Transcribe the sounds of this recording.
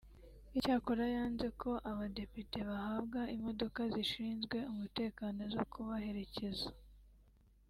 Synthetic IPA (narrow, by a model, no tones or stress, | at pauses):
icaːkoɾajaːnze̞kʰo̞ʔaβade̞pite̞βahabɡaimo̞do̞kaziʃiːnzɡwe̞umute̞ːkanozokʰuβahe̞ɾe̞ce̞za